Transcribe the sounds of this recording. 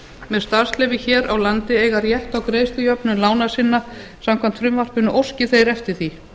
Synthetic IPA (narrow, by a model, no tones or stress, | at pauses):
mɛðst̪aɾ̥slɛvɪçɛːɾawlant̪ɪeːjɣaɾjɛht̪awkɾeːjst̪ʏjœpnʏmlaːwnasɪnːa | samkʰam̥t̪fɾʏmvar̥pʏnʏʔowscɪθejɾɛft̪ɪɾ̥θi